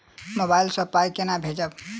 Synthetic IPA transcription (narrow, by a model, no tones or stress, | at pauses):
mobailsəplaikenabʱed͡ʒəb